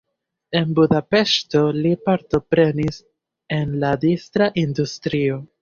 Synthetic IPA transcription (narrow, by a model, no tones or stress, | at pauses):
e̞nbudape̞ʃto̞lipaɾto̞pɾe̞nis | e̞nladistɾaʔindustɾio̞